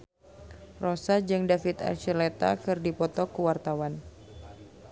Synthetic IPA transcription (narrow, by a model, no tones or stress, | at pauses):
rosad͡ʒɨŋdafit̪a̰lt͡ʃəlet̪a̰kɨrdipɔt̪ɔkuwart̪awan